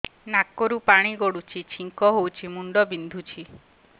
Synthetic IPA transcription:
nakɔɾupaɽ̃iɡoɽut͡ʃʰit͡ʃʰiŋkɔɦowt͡ʃʰimuɳɖɔbind̪ʱut͡ʃʰi

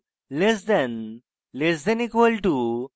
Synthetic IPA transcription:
lesd̪ɛn | lesd̪ɛnikʋəlʈu

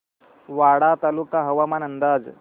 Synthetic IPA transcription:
ʋaɽat̪alukaɦəʋamanənd̪ad͡z

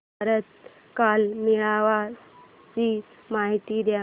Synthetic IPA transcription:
ɾət̪̚ | kalmiɭaʋa | t͡ɕi | maɦit̪id̪ja

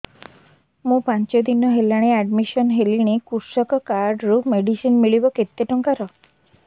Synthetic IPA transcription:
mũpant͡ʃɔd̪inɔɦelaɽ̃eaɖmisɔnɦeliɽ̃ikuɾsɔkɔkaɾɖɾumeɖisinmiɭibɔket̪ːeʈɔŋkaɾɔ

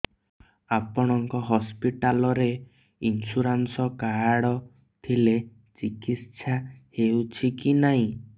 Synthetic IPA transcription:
apɔɽ̃ɔŋkɔɦɔspiʈalɔɾe | insuɾansɔkaaɽɔ | t̪ʰile | t͡ʃikit̪t͡ʃʰahewt͡ʃʰikinaɦĩ

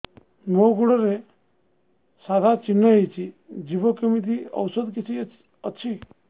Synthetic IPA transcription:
moɡuɽɔɾe | sad̪ʱat͡ʃinːəɦejt͡ʃʰid͡ʒibɔkəmit̪iɔ̰wsəd̪kit͡ʃʰi | ət͡ʃʰi

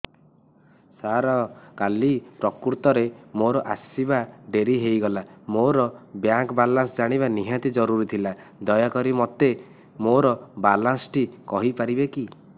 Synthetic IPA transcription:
saɾɔkalipɾɔkuɾt̪ɔɾemoɾɔʔasibaɖeɾiɦejɡɔlamoɾɔbjaŋkbalansɔd͡ʒaɽ̃iβaniɦat̪id͡ʒɔɾuɾit̪ʰila | d̪ɔjakɔɾimɔt̪e | moɾɔbalansʈikɔɦipaɾibeki

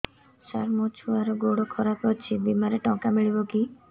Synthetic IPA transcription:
saɾmot͡ʃʰuaɾɔɡoɽokʰɔɾakɔt͡ʃʰibimaɾeʈɔ̃kamiɭibɔki

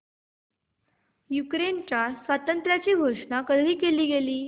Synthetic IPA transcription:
jukɾent͡ɕjasʋat̪ənt̪ɾjat͡ɕiːɡʱoʂɳakəd̪ʱiːkeliːɡeliː

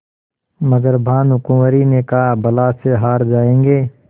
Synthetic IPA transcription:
məɡəɾbʱaːnɦʊkũməɾinekabɐlaːseɦaːɾd͡ʒaːẽːŋɡeː

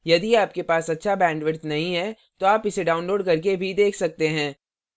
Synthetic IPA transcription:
jɐd̪iaːp̚kepaːsɐtːʃʰabɛ̃ːɳɖʋɪɾt̪nɐɦĩɦɛ | t̪oaːpɪseɖaːʊ̃nloːɖkɐɾk̬ebʱid̪eːkʰsɐk̚t̪eɦɛ̃ː

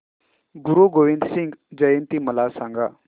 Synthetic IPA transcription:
ɡuɾuɡoʋind̪siŋɡd͡ʑəjənt̪iməlasãŋɡa

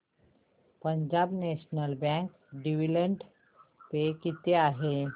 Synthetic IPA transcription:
pəɲd͡ʑabneɕnəlbɛ̃ŋk | ɖiʋiləɳʈ | pekit̪eaɦe

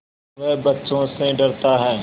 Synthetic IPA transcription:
ʋɛːbətːʃõːsẽɖəɾt̪aːɦɛ̃ː

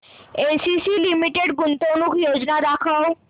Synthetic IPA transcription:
esisilimiʈeɽɡunt̪onukjod͡ʑnad̪akʰəw

